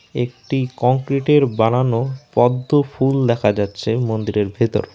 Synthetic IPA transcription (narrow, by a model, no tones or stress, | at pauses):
ekʈikɔŋkɾiʈeɾbananopɔd̪ːofuld̪ɛkʰad͡ʑatːɕʰemond̪iɾeɾbʱet̪o̰ɾ